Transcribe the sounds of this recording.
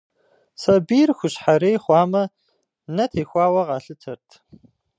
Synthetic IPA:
sɐbiːrxʷʊɕħaɾeːjχʷɑːmɐ | nɐtʰeːxʷɑːwɐʁɑːɬɨtʰɐrtʰ

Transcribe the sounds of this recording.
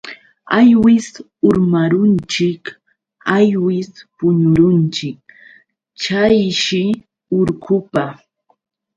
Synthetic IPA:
ajwɪs | ʊɾmaɾʊnt͡ʃɪk | ajwɪspʊɲʊɾʊnt͡ʃɪk̚ | t͡ʃajʃɪ | ʊɾkʊpa

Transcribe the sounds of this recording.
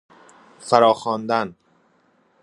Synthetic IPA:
fæɾɒːxɒːnd̪æn

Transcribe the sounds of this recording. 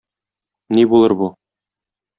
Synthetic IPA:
nibulˠɤɾbu

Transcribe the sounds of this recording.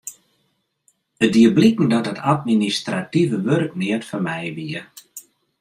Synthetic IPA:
ədiəblikŋ̩dɔtətʰatministrativəʋørk̚nɪətfərmɛjʋiə

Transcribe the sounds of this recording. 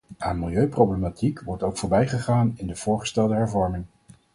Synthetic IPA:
aːnmɪlˠjøɥprowblematʰikʋɔɹtowkfʊːɹbɛjχəχaːnɪndəv̥ʊːɹχəstɛlˠdəɦɛɹvɔɹmɪŋ

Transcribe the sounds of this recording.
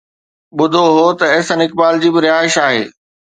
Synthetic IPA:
ɓʊd̪ʱoɦot̪ɐeːsɐnɪk̚baːld͡ʑiːbɪɾɪjaːɪʃaːɦḛː

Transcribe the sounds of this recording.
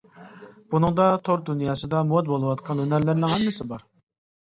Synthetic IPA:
b̥unɨŋd̪ɑt̪ʰoɾd̪unjɑːsɨd̪ɑmuwɑt̪̚bolˠɨwɑt̪qʰɑnønæɾlɪɾnɪŋhɛmːɪsɪbɑɾ

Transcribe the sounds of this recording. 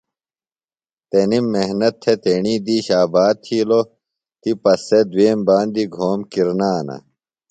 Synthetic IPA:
t̪enimːehnɐt̪ʰːet̪eɳiːd̪iːɕaːbaːd̪̚t̪ʰiːlo | t̪ipɐsːed̪weːmbaːnd̪iɡʱoːmkiɾnaːnɐ̰

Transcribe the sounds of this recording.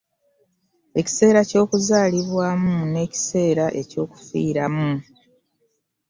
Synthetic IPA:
e̞ci̥se̞ːɾaco̞ːkuzaːliβwaːmune̞ːci̥se̞ːɾaʔe̞co̞ːku̥fḭːɾamu

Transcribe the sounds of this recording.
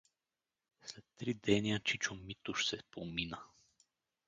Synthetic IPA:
slɛt̪ːɾid̪ɛniat͡ʃit͡ʃomit̪uʃsɛpominə

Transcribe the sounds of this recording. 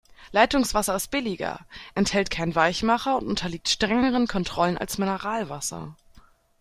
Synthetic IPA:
laɪtʊŋsv̥asɐɪst̚b̥ɪlɪɡɐ̰ʔɛnthɛltkʰaɪnvaɪçmaχɐʊntʊntʰɐliːk̚tʃtʁ̥ɛŋəʁənkʰɔntʁ̥ɔləna̰lsmɪnəʁaːlvasɐ̰

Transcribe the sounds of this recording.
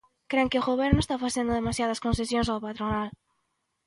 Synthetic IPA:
kɾeŋkɪʊɣoβɛɾnʊest̪afaθend̪ʊðemasjað̞ɐskõnsesjõŋsawpat̪ɾonal

